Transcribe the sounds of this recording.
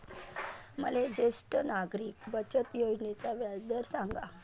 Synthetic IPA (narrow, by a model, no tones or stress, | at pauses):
məled͡ʑesʈənaɡɾiːkbət͡ɕət̪jod͡ʑnet͡ɕaʋjad̪əɾsãŋɡa